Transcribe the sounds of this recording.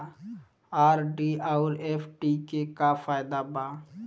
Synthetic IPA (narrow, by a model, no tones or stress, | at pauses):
aːɾɖiaʊɾeːfʈikekafaːɪd̪abaː